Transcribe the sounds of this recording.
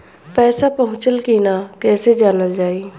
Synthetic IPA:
pɛːsapəɦʊ̃t͡ʃəlkiːnakɛːsed͡ʒaːnəld͡ʒaːiː

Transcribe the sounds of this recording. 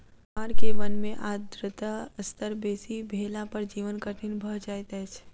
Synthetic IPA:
aːɾkeʋənmẽʔaːd̪ɾət̪aəst̪əɾbeːsibʱeːlãpəɾd͡ʒiːʋənkəʈʰinbʱəd͡ʒaːjt̪ɛt͡ʃʰ

